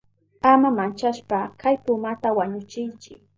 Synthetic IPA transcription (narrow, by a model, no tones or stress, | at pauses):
amamant͡ʃaʃpakʰajpʊmat̪awaɲʊt͡ʃɪnt͡ʃɪ